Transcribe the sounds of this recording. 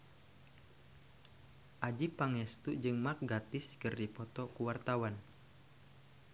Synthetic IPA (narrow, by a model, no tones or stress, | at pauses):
ʔad͡ʒipaŋɛst̪uʔd͡ʒɨŋmak̚ɡat̪ɪskɨrdipɔt̪ɔkuwart̪awan